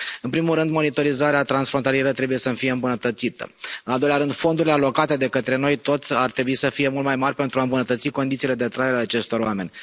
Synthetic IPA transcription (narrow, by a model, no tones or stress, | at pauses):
ɨnpɾimulɾɨnd̪mo̞nit̪o̞ɾizaɾeat̪ɾansfɾont̪alije̞ɾət̪ɾe̞buje̞səmfije̞ɨmbunət̪ət̪sit̪ə̰ɨnald̪ojlʲaɾɨnd̪fo̞nd̪uɾilealo̞kat̪e̞d̪e̞kət̪ɾe̞no̞jt̪o̞t̪sʲart̪ɾe̞buisəfije̞mult̪̚majmaɾʲpe̞nt̪ɾuaɨmbunət̪ət̪siko̞nd̪it̪sile̞d̪e̞t̪ɾajeɾeaat͡ʃe̞st̪o̞ɾoame̞nʲ